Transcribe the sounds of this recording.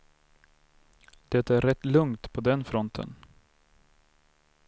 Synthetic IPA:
d̪̥ɛt̪ːaæɾɾɛt̪ːlɵŋt̪pʰɔd̪ɛnfɾɔnt̪ʰə̰n

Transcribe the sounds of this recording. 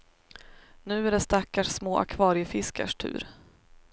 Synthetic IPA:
nʉ̟ːæɖɛst̪akːaʂsmoːʔa̰kʰvɑːɾɪɪfɪskʰa̰ʂʈʰʉ̟̰ːɾ

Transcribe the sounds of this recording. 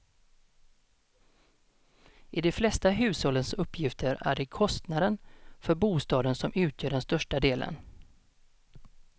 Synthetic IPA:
ʔɪd̪ɛflɛst̪aɦʉ̟ːshɔlːənsɵpːjɪft̪ʰəɾæ̰ɖɛkʰɔst̪nad̪ənfœɾbuːst̪ɑːd̪ənsɔmʉ̟ːt̪ʰjœːɖɛnst̪œʂʈad̪eːlʔə̰n

